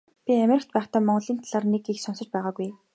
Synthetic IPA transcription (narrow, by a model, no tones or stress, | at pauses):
pʲiæmʲeɾɪ̆kt̪̚pæːχt̪aːmɔɴɢɞ̆ɮiːnt̪ʰaɮaːrnekixsʊnsə̆t͡ɕpæːʁaːɡuj